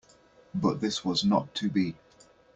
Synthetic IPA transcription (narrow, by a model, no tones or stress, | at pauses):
bʌʔ̚ðɪswɒznə̰tʰəbi